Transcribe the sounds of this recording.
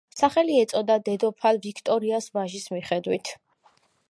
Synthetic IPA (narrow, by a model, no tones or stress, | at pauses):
saχɛliɛt̪sʼɔd̪ad̪ɛd̪ɔpʰalvikʰt̪ʼɔɾiasvaʒismiχɛd̪wit̪ʰ